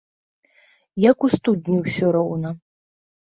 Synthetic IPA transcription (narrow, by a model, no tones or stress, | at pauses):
jakust̪ud̪nʲiwsʲɔɾɐwnɐ